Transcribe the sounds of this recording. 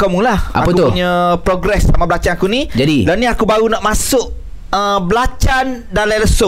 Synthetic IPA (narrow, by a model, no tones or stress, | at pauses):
kɔmuŋlaha̰apəkut̪uɲəpɾoɡɾɛsːamabəlat͡ʃanakunĩd͡ʒadilanĩakubaɾunaʔmasʊʔ | əblat͡ʃandalajləso